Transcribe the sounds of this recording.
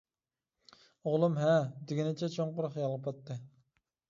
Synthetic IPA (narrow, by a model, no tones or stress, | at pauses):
oʁlˠumɦɛd̪ɪɡʲɪnɪt͡ʃʰɛt͡ʃʰoɴqʊɾʊχjɑlˠʁəpɑt̪ːɨ